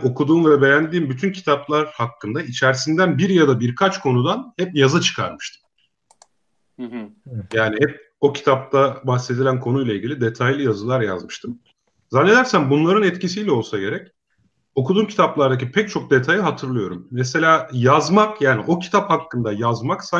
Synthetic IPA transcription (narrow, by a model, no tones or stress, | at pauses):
o̞kʰud̪uːnveabe̞jænd̪iːmbyt̪ʰyncʰi̥t̪ʰaplˠaɾhakːɯnd̪ait͡ʃʰæɾsind̪ænbiɾjad̪abiɾkʰat͡ʃkʰo̞nud̪anhɛpjazɯt͡ʃʰɯ̥kʰa̰ɾmɯʃt̪ʰɯ̥m | jaːniɦɛp̚ | o̞cʰi̥t̪ʰap̚t̪abaxse̞d̪ilʲænkʰo̞nujlˠailʲɟʲilʲid̪e̞t̪ʰajlʲˠɯjazɯlˠaɾja̰zmɯʃt̪ʰɯm | zanːe̞d̪æɾsænbunlˠaɾɯnɛt̪cisijlʲɛo̞lˠsaɟe̞ɾɛc | o̞kud̪uːmcʰi̥t̪ʰaplˠaɾd̪ac̬ipʰɛc̚t͡ʃʰo̞k̚d̪e̞t̪ʰajɯɦat̪ʰɯɾlˠɯjo̞ɾumːɛs̬e̞lʲaːjazmakjaːniʔo̞cʰi̥t̪ʰaphakːɯnd̪ajazmaksa